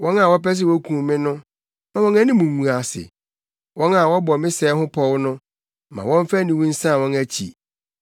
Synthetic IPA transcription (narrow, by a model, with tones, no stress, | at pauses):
wɔ̃˦na˨wɔ˦pɛ˦s̬ɪ˦wɔ˦kʰũ˨˦mɪ̃˦nʊ̃˦ | mã˨wɔ̃˦næ˦nɪ̃˦mũ˨ŋũ˨a˨sɪ̰˨ | wɔ̃˦na˨wɔ˦bɔ˨mɪ̃˦sɛː˨˦hʊ̃˦pʰɔ˦wnʊ̃˦ | mã̰˨wɔ̃˦ɱ˦fæ˦nĩ˨wũ˦n̩˦sã˦˨wɔ̃˦næ˦t͡ɕʰḭ˨